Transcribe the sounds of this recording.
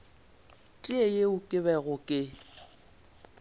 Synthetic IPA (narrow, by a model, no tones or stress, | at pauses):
tʼiejeʊkʼɪβɛɣʊkʼɪ